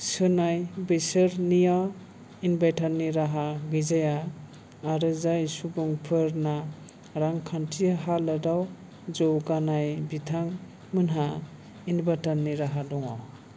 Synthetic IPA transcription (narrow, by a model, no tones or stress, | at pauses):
sɯnajbɯjsɯɾnija | inbajtʰanːiɾaɦaɡɯzajaː | ɾɯzajsubɔŋpʰɯɾna | ɾaŋkʰantʰiɦalɯdaw | d͡ʒɔwɡanajbitʰaŋ | mɯnɦa | inbatanːiɾaɦadɔŋa